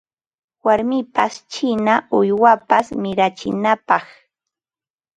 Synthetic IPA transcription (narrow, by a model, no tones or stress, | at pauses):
waɾmɪpast͡ʃɪnaʊjwapasmɪɾat͡ʃɪnapɑχ